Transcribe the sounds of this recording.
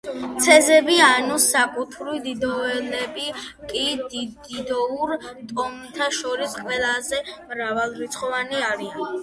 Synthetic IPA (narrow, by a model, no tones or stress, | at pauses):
t̪sʰɛzɛbianusakʼut̪ʰɾid̪id̪ɔɛlɛbikʼid̪d̪id̪ɔuɾt̪ʼɔmt̪ʰaʃɔɾisqʼwɛlˠazɛmɾavalˠɾit̪sʰχɔvaniaɾian